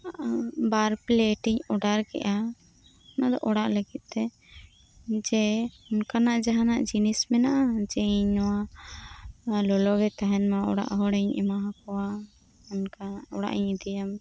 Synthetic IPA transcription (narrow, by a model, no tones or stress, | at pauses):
baɾpleʈiɲɔɖaɾkɛ̰ʔa | nad̪ɔ̰ʔɔɽaʔləɡit̪̚ˀt̪ɛ | d͡ʒɛɔnkanaʔd͡ʒaɦanaʔd͡ʒinismɛnaʔad͡ʒɛiɲnɔwa | lɔlɔɡɛt̪aɦɛnmaɔ̰ɽa̰ʔɦɔɽɛɲɛ̰maɦakɔwa | ɔnkaɔɽa̰ʔiɲid̪ɛjam